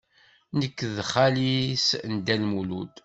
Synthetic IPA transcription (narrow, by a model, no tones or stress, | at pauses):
nəkːðχalisnd̪ælmulud̪